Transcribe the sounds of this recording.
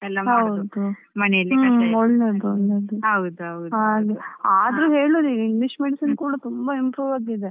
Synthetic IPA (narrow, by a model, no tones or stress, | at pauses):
ɛlːɐmɦɐwud̪u | mɐnɛjɐlːiɔɭːeɾd̪uɔɭːed̪uɐwd̪uɐwd̪aːɡ̪uaːd̪ɐɾuɦeːɭuɾiiŋɡliʂmeɽisinkuːɽɐt̪umbɐimpɾuːʋad̪id̪e